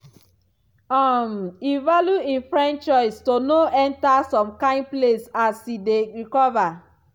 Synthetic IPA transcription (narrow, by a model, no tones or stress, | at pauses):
ɔmivaljuĩnfɹɛ̃nt͡ʃt͡ʃɔɪstonoʔɛ̃ntasɔ̃mkãɪ̃n̚plesasideɹikɔva